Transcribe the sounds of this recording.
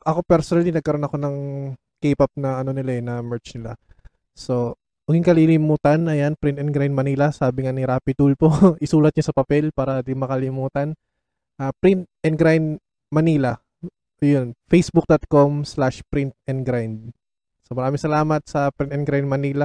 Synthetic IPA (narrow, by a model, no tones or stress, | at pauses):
ʔɐko̞pɛɾsonɐlinɐɡ̚kɐɾo̞nɐko̞nɐŋ | keːpɐp̚nɐɐno̞nɪlaɛnɐmɛɹt͡ʃnɪla̰ | so̞ | wɐɡɪŋkɐlilɪmuːt̪ɐnɐjanpɾɪnt̪ɛnɡɾajnd̪̚mɐniːlɐsaːbɪŋanɪɾaːpɪt̪ulpoʔɪsuːlɐt̪̚ɲasɐpɐpɛlpaːɾɐd̪ɪmɐkɐlɪmuːt̪ɐn | ʔaːpɾɪnt̪̚ʔɛnɡɾaj̪d̪ | mɐniːlɐ | jonfejsbuk̚d̪ot̪̚komslaʃpɾɪnt̪̚ɛnd̪ɡɾajnd̪̚ | somɐɾaːmɪŋsɐlaːmɐt̪̚sɐpɾɪnt̪ɛnɡɾajd̪̚mɐniːlɐ